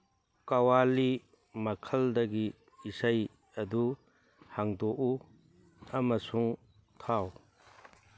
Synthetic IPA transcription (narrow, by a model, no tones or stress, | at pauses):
kɐwali | mɐkʰɐld̪ɐɡiː | saj | ɐd̪u | haŋdoʔu | ɐmɐsuŋ | t̪ʰaw